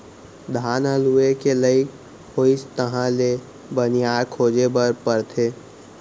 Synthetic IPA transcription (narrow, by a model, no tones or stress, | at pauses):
d̪ʱaːnəluekeləɪk | hoːist̪əɦãle | bənijaːɾkʰoːd͡ʒebəɾpəɾt̪ʰeː